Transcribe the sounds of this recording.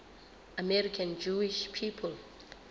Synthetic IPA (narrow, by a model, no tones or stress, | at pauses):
amɛɹikʰãnd͡ʒuiʃpʰipʰɔl